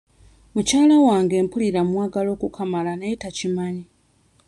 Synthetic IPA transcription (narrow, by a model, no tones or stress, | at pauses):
mucaːlawaːŋɡe̞ːmpuliɾamwaːɡalo̞ːkukʰamalane̞ːtacimaɲi